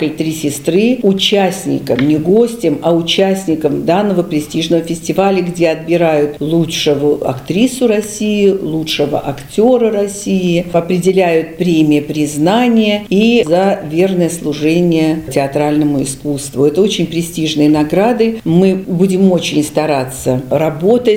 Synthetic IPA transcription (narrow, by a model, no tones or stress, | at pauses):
kəlʲt̪ɾʲisʲɪst̪ɾɨʊt͡ɕæsʲnʲɪ̰kəmnʲɪɡo̞sʲtʲɪmɐʊt͡ɕæsʲnʲɪkəmd̪anːəvəpɾʲɪsʲtʲiʐnəvəfʲɪsʲtʲɪvalʲəɡdʲe̞ɐd̪̚bʲɪɾajʊt̪lˠutʂəvʊɐ̰kt̪ɾʲisʊɾɐsʲijɪlˠutʂəvə̰ʔɐktʲo̞ɾərɐsʲijɪɐpɾʲɪdʲɪlʲæjʊt̪̚pɾʲemʲɪjəpɾʲɪznanʲɪjəizɐvʲernəjəslˠʊʐɛnʲɪjətʲɪɐt̪ɾalʲnəmʊɪskust̪vʊɛt̪əot͡ɕɪnʲpɾʲɪsʲtʲiʐnɨjənɐɡɾad̪ɨmɨbudʲɪmo̞t͡ɕɪnʲst̪ɐɾat̪sərɐbo̞t̪ətʲ